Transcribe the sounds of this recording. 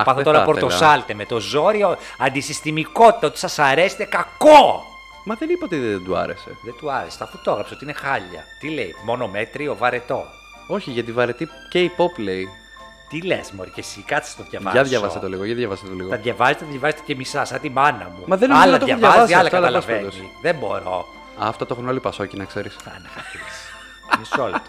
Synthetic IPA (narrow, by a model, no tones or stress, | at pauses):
pɐθot̪oɾɐpoɾt̪ossɐlt̪eme̞t̪o̞zo̞ɾioɐnd̪isist̪imiko̞t̪i̥t̪ɐo̞t̪i̥sɐsɐɾe̞se̥t̪e̞kɐko | mɐðenipot̪eðend̪uɐ̰ɾese̞̰ðend̪uɐɾese̥t̪ɐfut̪oɐɣɾɐpseo̞t̪iinexɐʎːɐ̰t̪ileijmo̞no̞met̪ɾiovɐɾet̪o̞ | o̞çiʝɐt̪ivɐɾet̪i | ceipoplei | t̪ile̞̰smoɾicesikɐt̪t͡si̥st̪oðʝɐvɐ̰ʝɐðʝɐvɐsset̪eliɣoʝɐðʝɐvɐset̪eliɣot̪ɐðʝɐvɐzet̪eðʝɐvɐzet̪ecemisɐsɐt̪imɐnɐ̰mumɐðenɐlnɐt̪oɐðjɐɐvɐsiɐlɐt̪ɐlɐɐlɐved̪osiðembo̞ɾo̞̰ | ɐ̰ft̪ɐt̪oxunolipɐso̞cinɐkse̞ɾisɐ̰nexɐfis | nisolt̪o̥